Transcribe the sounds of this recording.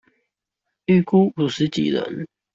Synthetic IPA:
y˥˩ku˥u˨˩ʂɻ̩˧˥t͡ɕḭ˨˩lə̰˧˦n

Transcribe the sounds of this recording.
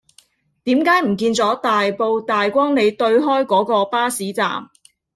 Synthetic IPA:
t̪iː˨˥mkaː˨˥jm̩˨˩kiː˧nt͡sɔː˨˥t̪aː˨jpo˧wt̪aː˨jkʷɔː˥ŋne˨˧jt̪ɵ˧ɥɦɔː˥jkɔː˨˥kɔː˧paː˥siː˨˥t͡sa̰ː˨m

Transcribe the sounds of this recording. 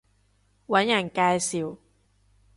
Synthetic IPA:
wa˧˦˥nja˨˩ŋkaː˧jsi˨˩˦w

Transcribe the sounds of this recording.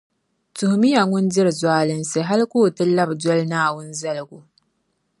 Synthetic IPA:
tʊ˨hmi˦ja˨ŋʊ˦nd͡ʒɪ˦ɾzwaː˦lɪ˦nse˨ɦa˦lkʷoː˦˨tɐ˦lːɐ˦˨bdɔ˦lnaː˦˨wʊ˦nzɐ˦lɡʷu˦

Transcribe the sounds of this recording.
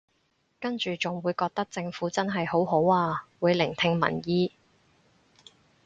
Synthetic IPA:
kɐ˥nt͡ʃyː˨t͡sʊ˨˩ŋwuː˨˧jkɔː˧k̚t̪ɐ˥k̚t͡sɪ˧ŋfuː˨˥t͡sɐ˥nɦɐ˨jho˨˥wɦo˨˥waː˧wuː˨˧jlɪ˨˩ŋt̪ʰɪ˧ŋmɐ̰˨˩njiː˥

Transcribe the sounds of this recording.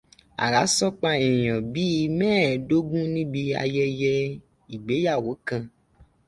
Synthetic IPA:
a̰˨ɾa˨˦sɔ˦k͡pa˧e˨j̃ɔ̃˨bi˦i˧mɛ̃ː˦˨do˦ɡũ˦nĩ˦bi˧a̰˧jɛ˧jɛ˧ | i˨ɡ͡be˨˦ja˦˨wo˨˦kã˧

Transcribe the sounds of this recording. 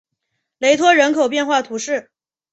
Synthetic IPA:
le˧˥ɪt̪ʰwɔ˥ɻə˧˥nkʰo˨ʊp̬jɛ˥˧nxwa˥˩t̪ʰu˧˥ʂɻ̩˥˩

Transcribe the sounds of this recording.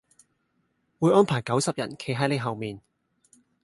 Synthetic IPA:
wu˨˧jʔɔː˥npʰaː˨˩jkɐ˨˥wsɐ˨p̚jɐ̰˨˩nkʰe˨˥jɦɐ˨˥jle˨˧ɦɐ˨wmiː˨n

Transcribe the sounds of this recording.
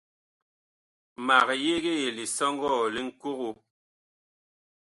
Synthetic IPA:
ma˨ɣje˦ɣe˦je˨li˨sɔ˦ŋ˦ɡɔ˦˨li˦ŋ̩˦ku˦ɣo˦

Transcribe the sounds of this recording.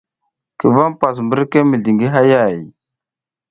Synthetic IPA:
kə˨va˦mpa˨s̬mbə˦ɾke˦mi˨ɮi˨ŋɡi˦ɦa˦ja˦˨j

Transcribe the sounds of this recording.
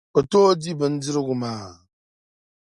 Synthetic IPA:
o˨toː˦di˦bɨ˨n̩˦d͡zi˦ɾɨ˦ɡu˨maː˨

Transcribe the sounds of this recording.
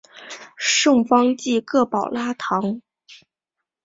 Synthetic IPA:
ʂɤ˥˩ŋfɑ˥ŋt͡ɕi˥˧kɤ˥˩pɑ˨˩ʊla˥t̪ʰɑ˧˥ŋ

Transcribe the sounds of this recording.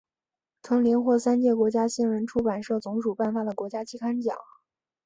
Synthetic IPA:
t̪ʰɤ˧˥ŋli˧˥nxwɔ˥˩sa˥nt͡ɕjɛ˥˩kwɔ˧˥t͡ɕja˥ɕi˥nɻə˧˥nʈ͡ʂʰu˥pa˨˩nʂɤ˥˩t͡sʊ˧˥ŋʂu˨˩pa˥˩nfa˨˩d̪ə˩kwɔ˧˥t͡ɕja˥t͡ɕi˥kʰa˥nt͡ɕjɑ̰˨˩˦

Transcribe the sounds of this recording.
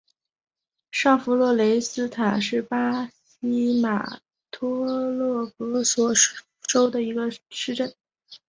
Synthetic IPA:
ʂa˥˩fu˧˥lwɔ˥˩le˧˥ɪsɹ̩˥t̪ʰa˨˩ʂɻ̩˥˩pa˥ɕ | i˥ma̰˨˩ | t̪ʰwɔ˥lɤ˥˩kɤ˧˥swɔ˨˩ | ʂo˥ʊd̪ə˨i˧˥ɡə˧ʂɻ̩˥˧ʈ͡ʂə˥˩n

